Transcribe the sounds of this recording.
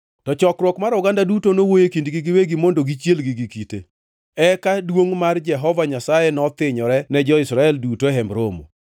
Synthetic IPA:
tɔt͡ʃɔkɾwɔkmaɾʊɡandadutonowojekindɡiɡiweɡimondoɡit͡ʃjelɡiɡikitḛ | ɛkadwoŋmard͡ʒɛɦɔvaɲasajenɔt̪ɪɲɔɾɛnɛd͡ʒɔɪsɾaɛldutoɦɛmbɾomo̰

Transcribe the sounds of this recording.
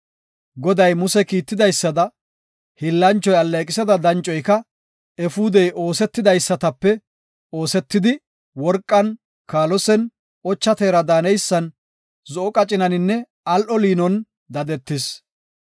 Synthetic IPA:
ɡɔd̪ɐjmʊsɛkiːt̪ːɪd̪ɐjsːɐd̪ɐ | hɪlːɐnt͡ʃːɔjɐlːɛkʼɪsɐd̪ɐd̪ɐnt͡ʃʼɔjkɐ | ɛfuːd̪ɛjʔo̞ːsɛt̪ːɪd̪ɐjsːɐt̪ɐpːɛ | o̞ːsɛt̪ːɪd̪ɪ | wɔɾkʼːɐn | kaːlɔsɛn | ʔɔt͡ʃːɐt̪eːɾɐd̪aːnɛjsːɐn | zɔʔɔkʼɐt͡ʃʼɪnɐnɪnːɛ | ɐlʔɔliːnɔn | d̪ɐd̪ɛt̪ːɪs

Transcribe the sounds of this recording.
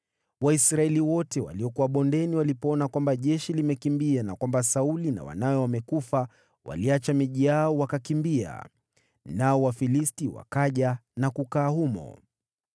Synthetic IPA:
waisɾaɛliwɔtɛwa̰liɔkuwaɓɔndɛniwalipɔɔnakwambaʄɛʃilimɛkimbianakwambasaulina̰wa̰nawɛwamɛkufa | wa̰liat͡ʃamiʄijaɔwakakimbia̰ | naɔwafilistiwa̰kaʄanakukaːhumɔ̰

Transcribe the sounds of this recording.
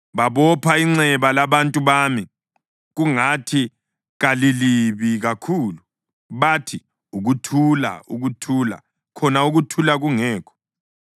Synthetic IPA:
βaβɔpʰaiŋ͡ǀɛβalaβantʼuβami | ɣuŋatʰi | ɣaliliβiɣakʰuːlu | βatʰi | uɣutʰula̰uɣutʰula̰ | kʰɔnauɣutʰulaɣuŋɛːkʰɔ̥

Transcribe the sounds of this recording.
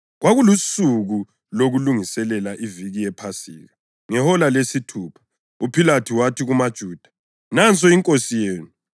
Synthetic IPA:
ɣwaɣulusuɣu | loɣuluŋisɛlɛlaʔiviɣiɛpʰasḭːɣa | ŋɛhɔlalesitʰuːpʰḁ | upʰilatʰiwatʰiɣumad̥ʒ̥ʱuːd̥ʱḁ | nant͡sʼɔiŋkʼosijeːnu

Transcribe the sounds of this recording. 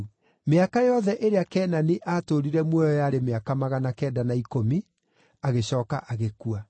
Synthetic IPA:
meakajɔðɛʔeɾeakɛːnaniʔaːtoɾiɾɛmwɔjɔjaɾemeakamaɣanakɛːdanaikomi | aɣeɕɔːkaʔaɣekua

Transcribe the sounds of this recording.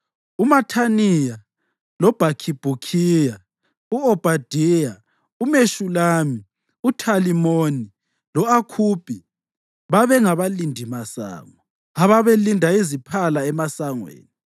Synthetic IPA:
umatʰanija | lɔb̥ʱakʰib̥ʱukʰija | uɔb̥ʱad̥ʱija | umeʃulaːmi | utʰalimoːni | lɔakʰuːb̥ʱʼi | βaβɛŋaβalindʱimasa̰ːŋɔ | aβaβelindʱaizipʰalaɛmasaŋwḛːni

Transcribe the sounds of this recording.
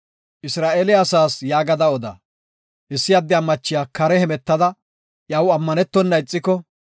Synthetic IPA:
ʔɪsɾaːʔeːlɪaːsaːsjaːɡɐd̪ɐɔd̪ɐ̰ | ʔɪsːɪjɐd̪ːɪɐmːɐt͡ʃːɪjaːkɐɾɛhɛmɛt̪ːɐd̪ɐ | ʔjɐwɐmːɐnɛt̪ːɔnːɐɪt͡sʼːɪkɔ

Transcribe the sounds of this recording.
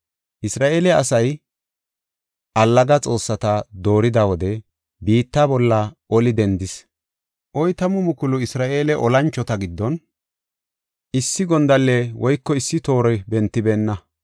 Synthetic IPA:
ʔɪsɾaːʔeːlɛɐsɐj | ʔɐlːɐɡɐt͡sʼo̞ːsːɐt̪ɐd̪o̞ːɾɪd̪ɐwɔd̪ɛ | biːt̪ːabɔlːɐʔɔlɪd̪ɛnd̪ɪs | ʔɔjt̪ɐmʊmʊkʊlʊɪsɾaːʔe̞ːlɛʔɔlɐnt͡ʃːɔt̪ɐɡɪd̪ːɔn | ɪsːɪɡɔnd̪ɐlːɛwɔjkːɔɪsːɪt̪o̞ːɾɛbɛnt̪ːɪbeːnːɐ

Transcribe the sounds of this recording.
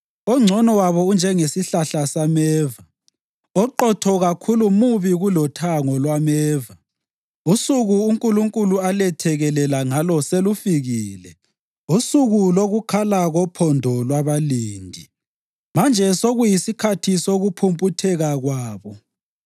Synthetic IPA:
ɔŋ͡ǀʱɔnɔwaβɔund͡ʒʱɛŋesiɬaɬasamɛːva | ɔǃɔtʰɔɣakʰulumuβiɣulɔtʰaŋɔlwamɛːva | usuɣuːŋkʼuluŋkʼulualɛtʰɛɣɛlɛlaŋalɔselufiɣiːlɛ̰ | usuɣuloɣukʰalaɣɔpʰɔndʱɔlwaβaliːndʱi | mand͡ʒʱɛsoɣujisikʰatʰisoɣupʰumpʼutʰɛɣaɣwaːβɔ

